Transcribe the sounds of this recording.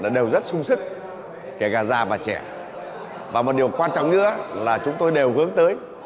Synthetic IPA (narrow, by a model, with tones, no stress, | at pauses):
ɗa̰ː˧˥ɗe˨˩wzə˦˥t̚sʊ˧ŋ͡msɨ˦˥k̚ | ke˧˩ɣaː˨˩zaː˧˩vaː˨˩t͡ɕɛ˧˩ | vaː˨˩mo˨˩t̚ɗi˨˩əwkwaː˧nt͡ɕɔ̰˧˨ŋ͡mɲɨ̰˧a˦laː˨˩t͡ɕʊ˨˦ŋ͡mt̪o˧jɗe˨˩whɨ˨˦əŋt̪əː˨˦j